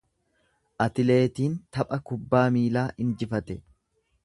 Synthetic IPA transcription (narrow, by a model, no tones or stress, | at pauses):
ʔɐt̪ɪle̞ːt̪iːnt̪ɐpʼɐkʊbːaːmiːlaːʔɪnd͡ʒɪfɐt̪ɛ